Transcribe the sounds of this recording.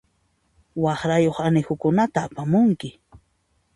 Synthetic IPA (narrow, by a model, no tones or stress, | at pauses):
wɑχɾajoχanɪxʊkʊnat̪aːpamʊŋkɪ